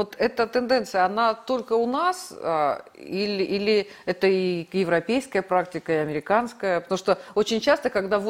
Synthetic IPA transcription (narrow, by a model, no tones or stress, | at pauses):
vot̪ɛt̪ət̪ɨnd̪ɛnt̪sɨjəɐnat̪o̞lʲkəʊnas | ilʲilʲɪɛt̪əijɪvɾɐpʲejskəjəpɾaktʲɪkəɪɐmʲɪɾʲɪkanskəjəpət̪ɐmuʂt̪oot͡ɕɪnʲt͡ɕast̪əkɐɡd̪avo